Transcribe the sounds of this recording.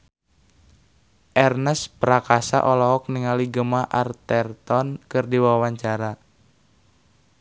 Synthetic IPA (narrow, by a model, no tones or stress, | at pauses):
ʔɛrnɛspɾakasa̰ʔɔlɔɦɔk̚niŋaliɡəmaʔart̪ɛrt̪ɔnkɨrdiwawaɲt͡ʃaɾa